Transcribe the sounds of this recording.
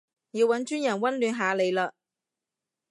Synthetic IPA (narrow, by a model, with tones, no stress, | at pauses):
jiː˨˧wɐ˨˥nt͡ʃyː˥njɐ˨˩nwɐ˥nlyː˨˧nɦaː˨˧le˨˧jlaː˧